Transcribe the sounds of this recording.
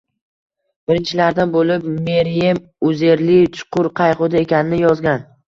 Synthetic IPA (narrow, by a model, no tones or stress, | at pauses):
b̥ɪɾɪnt͡ʃʰɪlaɾd̪anbolɪp̚meɾjem | ʊze̞ɾlɪt͡ʃʰʊ̥qʰʊɾqʰɑjʁʊd̪ae̞kʲanɪnɪjɒzɡʲan